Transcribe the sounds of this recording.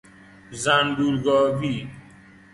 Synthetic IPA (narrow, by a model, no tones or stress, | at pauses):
zãːnɖuːlɡɔːbiː